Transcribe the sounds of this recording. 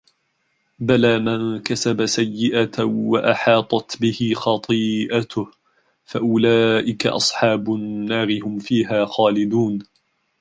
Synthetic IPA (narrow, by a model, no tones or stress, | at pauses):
balaːmaŋkasabasajːɪʔat̪waʔaħɑːt̪ˤɑt̪bɪhɪxɑt̪ˤɨːʔat̪ʊh | faʔʊlaːʔɪka̰ʔɑ̰sˤħɑːbʊnːaːɾɪhʊmfiːɦaːxaːlɪd̪uːn